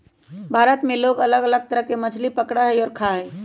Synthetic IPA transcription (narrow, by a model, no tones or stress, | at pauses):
bʱaːɾət̪mẽloːɡələɡələɡ̚t̪əɾəɦkemət͡ʃʰlipəkɽaɦɛɔːɾkʰaɦɛː